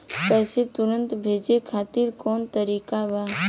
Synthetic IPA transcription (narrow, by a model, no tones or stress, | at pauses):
pɛːset̪ʊɾə̃nt̪bʱeːd͡ʒekʰaːt̪ɪɾkɔːnt̪əɾiːkaʋaː